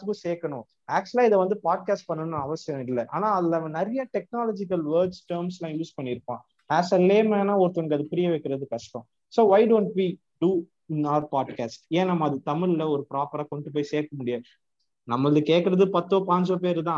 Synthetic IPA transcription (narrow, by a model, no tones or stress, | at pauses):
kɯseːkɐɳʊ̃ | aːk̚t͡ʃʊlaːɪðɐʋɐnd̪ɯpaːɖ̚kaːsʈ̚pɐɳːɐnnãɐʋɐsɪjɐ̃ɪlːɐʔaːnãːɐðɪlɐnɐɾɐjɐʈɛk̚naːlɔːd͡ʒɪkɐlʋɐːɾɖsʈɐːɾmslãːjuːspɐɳːɪɾɯpːãː | æːsɐlːeːmeːnaːɔɾɯt̪ːɐnɐkɐðɯpɪɾɪjɐʋɐɪkːɪɾɐðɯkɐʂʈɐ̃ | soːʋaɪɖõːɳʈʋi | ɖu | ɪnɐʋɐɾpaːɖkaːsʈeːnɐmːɐːðɯt̪ɐmɪɭɪlɐɔɾɯpɪɾaːpɐɾaːkɔɳɖɯp̬oːjseːkːɐmʊɽɪjɐ | nɐmːɐðɯkeːkːɪɾɐðɯpɐt̪ːoːpaːɲd͡ʒoːp̬eːɾɯt̪ãː